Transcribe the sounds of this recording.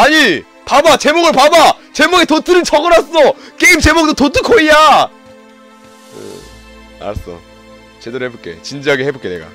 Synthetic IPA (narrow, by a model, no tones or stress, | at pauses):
aɲi | pabat͡ɕe̞moɡɯɭpaba | t͡ɕe̞moɡitotʰɯɾɯnt͡ɕʰʌɡɯɾas͈ʌk͈eimt͡ɕe̞mok̚totot͈ʰɯkʰoia | ḛ | a̰s͈ʌ̰ | t͡ɕedoɾɯhe̞bok͈e̞̰t͡ɕind͡ʑiɦaɡehe̞bok͈ene̞̰ɡa̰